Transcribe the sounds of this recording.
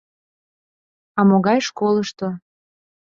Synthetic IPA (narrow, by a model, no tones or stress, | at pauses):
ɑmoɣɑjʃkolˠəʃt̪o